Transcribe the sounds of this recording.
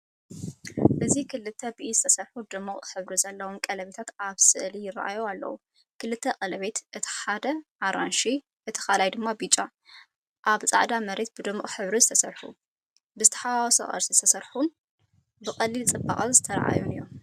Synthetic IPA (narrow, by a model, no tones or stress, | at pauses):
ʔɨzikʰɨlɨt̪ʰːɐbiʔizɨt̪ʰɐsɐɾħud̪ɨmːɨχʼħɨβɾizɐlːɐwomkʼɐlɐβe̞t̪ʰat̪aβsɨʔlijɪra̰ʔa̰joalːɐ̰wu | kʰɨlɨt̪ʰːɐqʼɐlɐβe̞t̪ʔɨt̪ʰi̥ħad̪ɐʔaɾanʃi | ʔɨt̪ʰi̥xalajd̪ɨmːabit͡ʃʼa | ʔaβt͡sʼa̰ʕd̪amɐɾe̞t̪̚bɨd̪ɨmːɨχʼħɨβɾizɨt̪ʰɐsɐɾħṵ | bɨzɨt̪ʰɐ̥ħawɔso̰ʔʼɐ̰ɾsizɨt̪ʰɐsɐɾħun | bɨkʼɐlːilt͡sʼɨba̰χʼɐzɨt̪ʰɐɾɐ̰ʔa̰junɨjːom